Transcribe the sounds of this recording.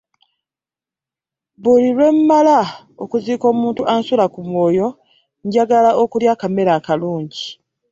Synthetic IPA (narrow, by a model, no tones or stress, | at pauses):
βulilwe̞mːala | o̞kuziːko̞ːmuːntuʔaːnsulakumwo̞ːjo̞ | ɲɟaɡalaʔo̞kuljakame̞ɾakaluːɲɟi